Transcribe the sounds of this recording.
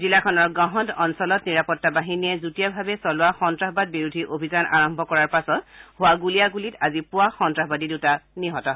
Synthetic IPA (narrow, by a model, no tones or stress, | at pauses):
zilakʰɔnɔɹɡãɦɔntɔnsɔlɔtniɹapɔtːabaɦiniɛzutijabʱabɛsɔlʊaxɔntɹaɦbad̚biɹudʱiʔobʱizanʔa̰ɹɔmbʱɔkɔɹaɹpasɔt̚hʊwaɡulijaɡulitazipʊwaxɔntɹaɦbadidetaniɦɔtɔɦ